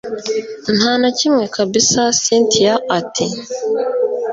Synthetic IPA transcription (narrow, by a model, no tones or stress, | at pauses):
nhaːnacimŋekabisasiːntʰijaatʰi